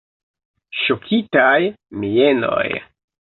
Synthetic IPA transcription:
ʃokʰitaj | mieno̰j

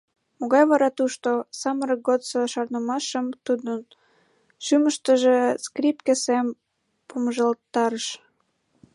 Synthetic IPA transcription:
moɣɑjβɑɾɑt̪uʃt̪osɑməɾəɡot̪soʃɑrnəmɑʃəmt̪ud̪ən | ʃyməʃt̪əʒeskripkesem | pumʒəlt̪ːɑɾəʃ

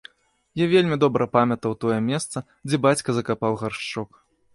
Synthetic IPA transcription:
javʲelʲmʲid̪ɔbɾɐpamʲɐt̪ɐwt̪ɔjɛmʲɛst̪sɐ | d͡zʲɛbat͡sʲkɐzɐkapawɣarʂt͡ʂɔk

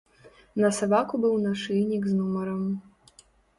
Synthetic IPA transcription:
nɐsabakubɨwnaʂɨjnʲikznumɐɾɐm

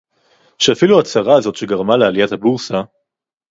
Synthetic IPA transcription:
ʃeafiluat͡saʁaːzo̞t̪ʃeɡaʁmalealijat̪habuʁsa

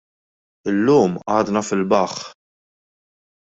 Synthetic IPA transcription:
ɪlːuːmʔɐːd̪nɐfɪlbɐχ

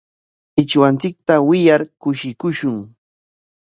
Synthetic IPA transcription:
ɪt͡ʃwant͡sɪk̚t̪awɪjaɾkʊʃɪkʊʃʊŋ

